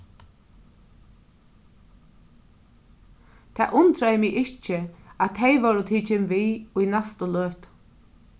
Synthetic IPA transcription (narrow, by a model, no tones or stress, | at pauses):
t̪ʰa̰ːʔʊnt̪ɾajɪmɪɣɪt͡ʃːɪat̪ʰejʋɔɾʊt̪ʰiːt͡ʃɪmviːujnɛst̪ʊløːht̪